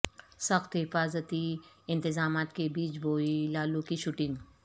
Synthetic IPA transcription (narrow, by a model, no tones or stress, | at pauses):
sɐxt̪ɦɪfaːzət̪i | ɪ̃nt̪ɪzaːmaːt̪kebiːt͡ʃbʱoːilaːlũːkiʃuʈɪ̃ŋɡ